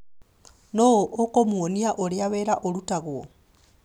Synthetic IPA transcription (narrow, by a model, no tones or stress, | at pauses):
noʔokomuoniaʔoliaβeɾaʔolutaɣuo